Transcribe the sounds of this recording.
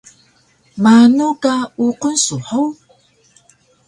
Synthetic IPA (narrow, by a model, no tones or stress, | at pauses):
manukauqənsuħəw